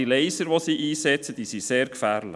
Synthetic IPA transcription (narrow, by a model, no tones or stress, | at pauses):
ilɛɪsəɾʋɔsiːʔiːsɛt͡səd̥isiseːɾkfæːɾlə̰